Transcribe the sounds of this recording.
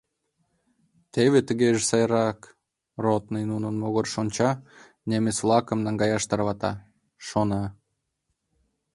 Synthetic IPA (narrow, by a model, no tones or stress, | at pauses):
t̪eβet̪ə̆ɣeʒesɑjɾɑk | rot̪nəjnunənmoɣorʃonʲt͡ɕɑ | nemesvlˠɑkə̆mnɑŋɡɑjɑʃt̪ɑrβɑt̪ɑ̰ | ʃonɑ